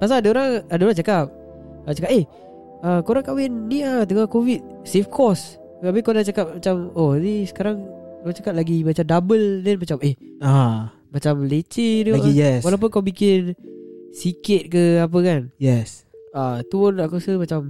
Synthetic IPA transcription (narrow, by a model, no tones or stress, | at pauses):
pas̬aadaoɾaŋadəoɾat͡ʃakap̚ | at͡ʃakap̚eh | əkoɾaŋkawɪnːiat̪əŋakovit̪̚ | sefkʰɔs | abikawnat͡ʃakap̚mat͡ʃamonisə̥kaɾaŋ | lat͡ʃakap̚laɡimat͡ʃamdabəldɛnmat͡ʃamɪh | a | mat͡ʃamlet͡ʃiduaijɛswalawp̬ʊnkawbikɪnsikɪt̪̚kəap̬əkanjɛsat̪uʊnlaʔkosəmat͡ʃam